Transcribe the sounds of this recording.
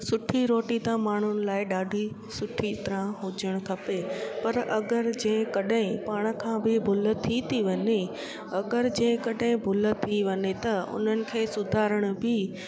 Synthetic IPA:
sʊʈʰiɾoːʈit̪ãmaːɳ̤ʊnɪ̆laːɪɗaːɖʱi | sʊʈʰit̪ɾãɦʊd͡ʑəɽ̃kʰɐpepɐɾɐɡəɾd͡ʑɐ̃ːɪ̃kɐɗɦɪ̃paːɽ̃̆kʰãbɪbʱʊlə̆t̪ʰːit̪ʰiʋɐɲe | ɐɡəɾd͡ʑɐ̃ːɪ̃kɐɗɦɪ̃bʱʊlə̆t̪ʰiʋɐɲet̪ɐʊ̰n̤ənɪ̆kʰeːsʊd̪ʱaːɾəɽ̃̆bɪ

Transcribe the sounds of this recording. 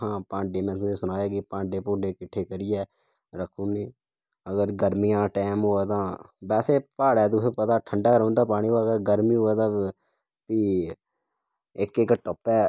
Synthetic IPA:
ɦãːpãːɳɖeːmɛ̃ːs̬ũːeːsʊnaːjaːɡiːpãːɳɖeːpʊ̃ːɳɖeːkɪʈʰːeːkəɾɪjɛː | ɾəkʰːũːneː | əɡəɾɡəɾmijãːʈɛːmɦoːɛːt̪ãːbɛːseːpaːɽɛːd̪ʊɦeːpət̪aːʈʰəɳɖaːɾõːnd̪aːpaːɽ̃iːɦoɛːəɡəɾɡəɾmĩːɦoɛːt̪ãː | piː | ɪkekʈɔpɛː

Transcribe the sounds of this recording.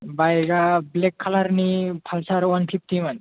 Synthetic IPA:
bajɾablekʰːalaɾnipʰalsaɾwɐnpʰift̪iman

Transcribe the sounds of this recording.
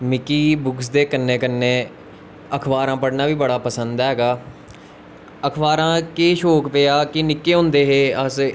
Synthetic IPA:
mɪkiːbʊksd̪eːkənːeːkənːeː | əkʰbaːɾãːpəɽnaːʋiːbəɽaːpəsənd̪ɦɛːɡaː | əkʰʋaːɾãːkeːʃoːkpeːaːkɪnɪkːeːɦõːnd̪eːɦeːəs

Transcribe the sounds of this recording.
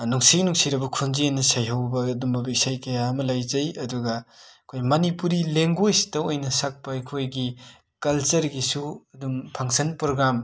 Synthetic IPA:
nuŋsinuŋsiɾɐbɐkʰunzienːɐsajɦawbɐːdumbɐbik̚sajkɐjaɐmɐlajzɐjɐduɡɐɐkʰojmɐnipuɾileŋɡojsi̥tɐwojnɐsak̚pɐɐjkʰojɡi | kɐlt͡ʃɐɾɡisuɐdumpʰaŋsɐnpɾoɡɾam

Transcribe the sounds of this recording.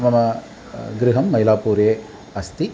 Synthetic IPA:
mɐmɐ | ɡɾɪɦɐmːɐjlaːpuːɾjeː | ɐst̪i

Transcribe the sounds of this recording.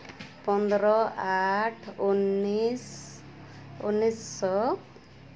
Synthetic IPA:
pɔnd̪ɾɔaʈʰunis | ṵnisɔ

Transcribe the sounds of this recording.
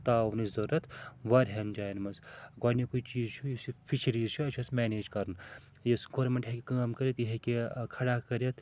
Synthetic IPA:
t̪aːʋnizɐɾɐt̪ʋɐɾʲɦɐnd͡ʒaːjnmɐnzɡɐːnikujt͡ʃiːzt͡ʃʰujisipʰit͡ʃʰɐɾiːzt͡ʃʰuɐt͡ʃʰɐsmeːneːd͡ʒkɐɾn | jɐsɡoːɾmeɳʈɦekʲikaːmkɐɾit̪ɦekekʰɐɽaːkɐɾɐt̪ʰ

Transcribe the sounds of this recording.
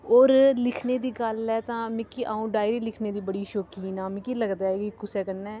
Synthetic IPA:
oːɾlɪkʰneːd̪iːɡəlɛːt̪ãːmɪ̃kiːʔaːũːɖaːɪɾiːlɪkʰneːd̪iːbəɽiːʃoːkiːnaːmĩkiːləɡd̪aːɛːkikʊsɛːkənːɛː

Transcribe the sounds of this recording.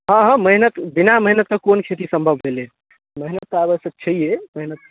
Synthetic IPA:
ɦə̃ɦə̃məɦinət̪binaməɦinət̪̚kəkonkʰet̪isəmbʱəbʱɦele | məɦinət̪̚kabəsət͡ʃʰəijeməɦnət̪̚

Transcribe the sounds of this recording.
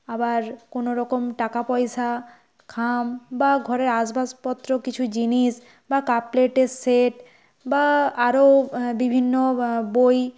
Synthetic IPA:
abaɾkonoɾɔkomʈakapɔjʃa | kʰambaɡʱɔɾeɾaʃbaspɔt̪ːɾokit͡ɕʰud͡ʑiniʃ | bakapleʈeseʈ | baaɾobibʱinːoboj

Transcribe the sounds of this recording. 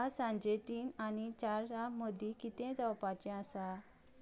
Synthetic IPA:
asãɲd͡ʑet̪iːnanit͡ɕaɾɾaməd̪ʱːĩkit̪ɛ̃d͡zawpat͡ɕɛ̃asa

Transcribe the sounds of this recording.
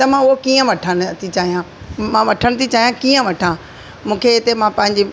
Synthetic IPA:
t̪ɐmãːʊɦokiːə̃ʋɐʈʰəɽ̃̆t̪ʰit͡ɕaːɦijãː | mãʋɐʈʰəɽ̃̆t̪ʰit͡ɕaːɦijãkiːə̃ʋɐʈʰãː | mũːkʰeɪt̪emãpɐ̃ɦɪ̃ɲd͡ʑi

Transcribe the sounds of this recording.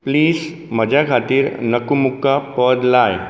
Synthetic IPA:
pliːs | mɐd͡ʒakʰaːt̪iːɾnɐkumʊkːapəd̪laːj

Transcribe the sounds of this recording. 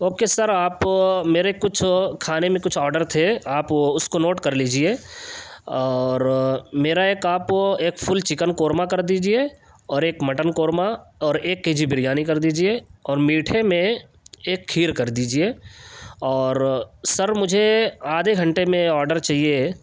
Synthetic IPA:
oːkesɐɾaːpmeːɾekʊt͡ʃʰkʰaːnemẽkʊt͡ʃʰɔːɾɖəɾt̪ʰeaːpʊskonoːʈkɐɾliːd͡ʒie | ɔːɾmeːɾaeːkaːpoeːkfʰʊlt͡ʃɪkənkoːɾmakɐɾd̪iːd͡ʒie | ɔːɾeːkmɐʈənkoːɾmaɔːɾeːkːeːd͡ʒibɪɾijaːnikɐɾd̪iːd͡ʒieɔːɾmiːʈʰemẽ | eːkʰːiːɾkɐɾd̪iːd͡ʒieː | ɔːɾsɐɾmʊd͡ʒʱeaːd̪ʱeɡʱɐ̃ɳʈemẽɔːɾɖəɾt͡ʃaːɦie

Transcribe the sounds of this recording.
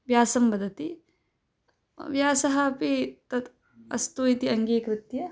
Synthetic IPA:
ʋjaːsɐmbɐd̪ʱɐt̪i | ʋjaːsɐɦɐpit̪ɐt̪ | ɐ̰st̪uit̪iɐŋɡiːkɾɪt̪jɐ

